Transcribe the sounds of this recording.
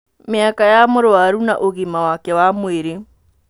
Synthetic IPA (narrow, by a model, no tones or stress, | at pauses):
mɪakajamoɾoaɾuna̰ʔoɣimawakɛwamweɾe